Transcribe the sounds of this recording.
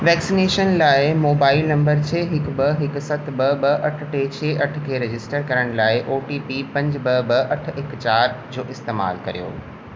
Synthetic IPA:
ʋɛːksineːʃənlaːɪmoːbaːɪlnɐ̃mbəɾt͡ɕʰeːɦɪkbɐɦɪksɐt̪ʰbɐbɐʔɐʈʰʈeːt͡ɕʰeːʔɐʈʰkʰeːɾed͡ʑɪsʈəɾkɐɾəɽ̃laːɪʔoːʈiːpipɐ̃ɲd͡ʑbɐbɐʔɐʈʰɪkt͡ɕaːɾd͡ʑoːʔɪst̪eːma̰ːlkɐ̰ɾijo̰ː

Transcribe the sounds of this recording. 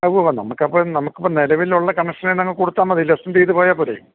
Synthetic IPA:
ɐʋɐʋɐnɐ̰mukːɐpːoːnɐmukːupːonelɐʋiluɭːɐkɐɳɐkʂɐnenɐŋːɐɭkuːɽut̪ːaːmːɐðilːesɐmt̪iːt̪ɨpo̞ːjaːpːuɾɐjṵm

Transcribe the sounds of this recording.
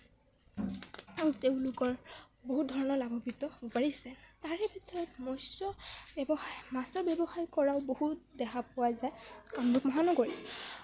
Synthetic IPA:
aɹuteʊ̃lʊkɔɹboɦut̚dʱɔɹɔnɔɹlaɡɔpitɔupaɹisɛtaɹɛbʱitɔɹɔtmɔsɔbbɔxajmasɔɹbjɛbɔxajkɔɹaʊbohut̚dɛxʰapʊwazajkambukmɔɦanɔɡoɹi

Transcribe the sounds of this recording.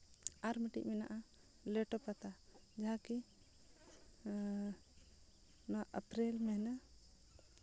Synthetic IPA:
aɾmiʈḭʔmɛna̰ʔa | lɛʈɔpat̪ad͡ʒaɦaki | nɔaʔəpɾɛlmɛɦna

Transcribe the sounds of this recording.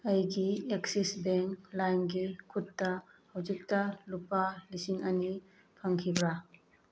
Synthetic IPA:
ɐjɡieksisbeŋklajnɡikʰutːɐhawd͡ʒik̚tɐlupːalisiŋɐni | pʰaŋkʰibɾa

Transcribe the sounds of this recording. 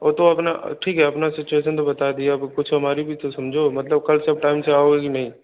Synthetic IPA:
ɔːɾt̪oɐpnaʈʰiːkɦɛɐpnasɪt͡ʃueːʃənt̪̬obɐt̪ad̪ijabkʊt͡ʃʰɦɐmaːɾibʱit̪osɐmd͡ʒʱomɐt̪ləb̚kɐlseɐb̚ʈaːɪmseaːoekinɐɦĩ

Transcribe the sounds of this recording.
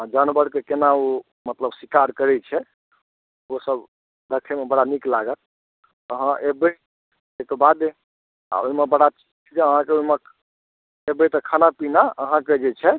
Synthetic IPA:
d͡ʒanbəɾkekenao | mət̪ləbswikaɾkəɾɛt͡ʃʰɛ | osəb | d̪əkʰɛmebəɽaniklaɡət̪̚ | əɦãʔebe | ekebad̪e | a̰oimebəɽat͡ʃid͡ʒd͡ʒʰd͡ʒeəɦãkeoɦime | ebet̪ɔkʰanapinaəɦãked͡ʒet͡ʃʰɛ

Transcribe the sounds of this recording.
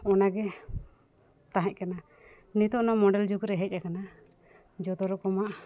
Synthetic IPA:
ɔnaɡɛ | t̪aɦɛ̃c̚kana | nit̪ɔʔnɔmɔɖɛld͡ʒukɾɛɦɛc̚ˀakana | d͡ʒɔt̪ɔɾɔkɔmaʔ

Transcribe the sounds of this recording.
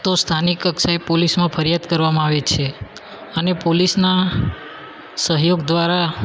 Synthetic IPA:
t̪ost̪ʰanikəksaepolismãpʰəɾjad̪kəɾʋamãaʋet͡ʃʰe | ənepolisna | səɦjoɡd̪ʋaɾa

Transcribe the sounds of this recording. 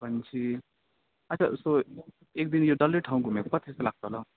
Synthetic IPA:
bʱʌnt͡ʃʰi | ət͡ʃʰa̰so | ekd̪injoɖʌliʈʰaũɡʱumekpʌt̪ʰeselaɡ̚t̪oɦla

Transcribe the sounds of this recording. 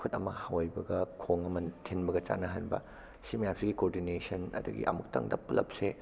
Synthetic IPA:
kʰutɐmɐhawajbɐɡɐkʰoŋɐmɐtʰenbɐɡɐt͡ʃa̰nɐɦanbɐ̰ | simɐjamsiɡikoɾdinesɐnɐ̰duɡḭʔɐ̰muk̚tɐ̰ŋdɐpulɐ̰p̚se

